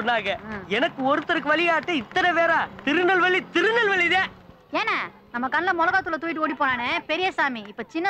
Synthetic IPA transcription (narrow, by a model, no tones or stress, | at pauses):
naːɣɐɛnɐkːɯɔɾɯt̪ːɐɾɯkːɯʋɐɭɪjaːʈːɯɪt̪ːɐnɐʋeːɾãːt̪ɪɾɯnɐlʋɐɭːit̪ɪɾɯnɐlʋɐɭːiðe | eːnɐ | nɐmːɐkɐnlɐmɔlɐɣaːt̪ːɯlɐt̪uːjɪʈːɯoːɽipːoːnaːnepɛɾɪjɐsaːmiɪpːoːt͡ʃɪnːɐ